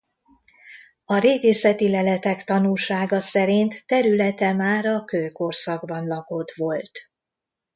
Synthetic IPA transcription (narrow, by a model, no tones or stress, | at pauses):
ɒɾeːɡeːsɛt̪ilɛlɛt̪ɛkt̪ɒnulʃaːɡɒsɛɾint̪ːɛɾylɛt̪ɛmaːɾɒkøːko̞rsɒɡbɒnlɒko̞t̪ʋo̞lt̪